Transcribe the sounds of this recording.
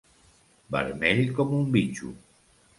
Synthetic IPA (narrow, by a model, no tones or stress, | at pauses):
bə̰ɾmeʎkɔmumbit͡ʃṵ